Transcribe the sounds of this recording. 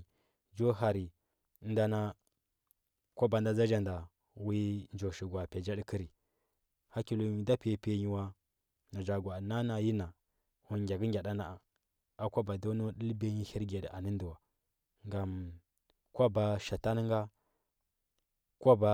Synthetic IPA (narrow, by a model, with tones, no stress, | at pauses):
d͡ʒo˦ɦa˨ɾi˨˦ | nda˦na˦ | kʷo˦ba˨n˦da˦za˦d͡ʒa˨nda˨ | wi˦n˦d͡ʒo˨ʃi˨ɡwa˨pe˨d͡ʒa˦ɗi˦ki˦ɾi˨ | ha˦ki˨lu˨˦ɲi˨da˦pe˨˦˨pe˦ɲi˦wa˦ | na˨d͡ʒa˨ɡʷa˨na˦na˨ji˦na˨ | u˨nɡʲa˨ɡə˦ŋɡʲa˨da˦na˨a˨ | a˦kʷa˦ba˨do˦no˦ɗi˦lbe˦ɲi˦hi˦ɾɡe˨di˨ʔa˨ni˦n˦du˨wa˨ | ŋɡa˨m | kʷa˦ba˨ʃa˨ta˦n˦ŋɡa˦ | kʷo˦ba˨